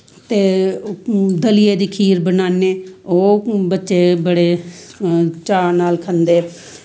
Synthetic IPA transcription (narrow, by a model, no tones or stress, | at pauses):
t̪eː | d̪əlɪeːd̪iːkʰiːɾbənaːneːoːbətːʃeːbəɽeː | t͡ʃaːnaːlkʰənd̪eː